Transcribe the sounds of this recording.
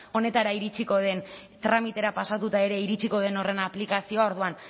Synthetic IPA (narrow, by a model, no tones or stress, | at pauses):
o̞ne̞t̪aɾaiɾit͡ʃiko̞ðe̞n | t̪ɾamit̪e̞ɾapasat̪ut̪ae̞ɾe̞iɾit͡ʃiko̞ð̞e̞no̞re̞naplikasio̞ao̞ɾðuan